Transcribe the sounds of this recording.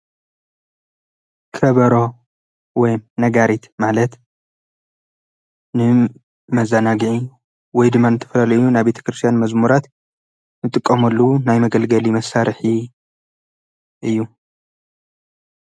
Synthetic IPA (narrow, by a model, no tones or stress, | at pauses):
kʰɐβɐɾo̞ | wɔjmnɐɡaɾit̪malɐt̪ | nɨ | mɐzːanaɡiʕi | wɔjd̪ɨmːanɨt̪ʰɐfɐlalɐjunabe̞t̪ʰɐ̥kɾɨst̪ʰjanmɐzmuɾat̪ | nɨt̪ʼɨkʼːɐmɐlːunajmɐɡɐlɡɐlimɐsaɾħi | ʔɨjːu